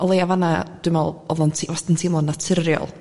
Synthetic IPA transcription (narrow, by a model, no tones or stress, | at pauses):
ɔlˠejavanad̥wɪmɛlˠɔvˠɔntʰivastɪntʰimlˠɔnːatʰɪrjɔ̰lˠ